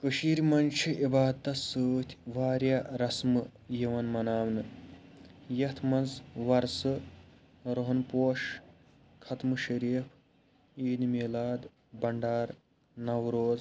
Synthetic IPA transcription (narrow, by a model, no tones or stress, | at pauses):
kɨʃiːɾʲmɐnt͡ʃʰiʔibaːd̪ɐsɨːt̪ʲʰʋaːɾʲjaːɾɐsmɨjiʋɐnmɐnaːmnɨ | jɐt̪ʰmɐnzʋɐɾsɨ | ɾoɦɐnpoːʃ | kʰɐt̪mɨʃɐɾiːpʰ | iːnmiːlaːd̪ | bɐɳɖaːɾ | nɐwɾoːz